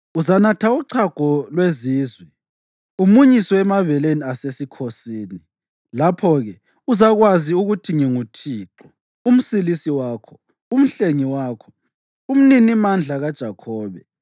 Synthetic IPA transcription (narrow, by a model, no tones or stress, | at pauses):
uzanatʰauǀʰaɡ̥ʱɔlweziːzwɛ | umuɲisɔɛmaβɛleniasesikʰosiːni | lapʰɔɣɛ | uzaɣwaziuɣutʰiŋɛŋutʰiːǃɔ | um̩silisiwaːkʰɔ̥ | um̩ɬeŋiwaːkʰɔ̥ | um̩ninimand͡ɮʱaɣad̥ʒ̥ʱakʰɔːβɛ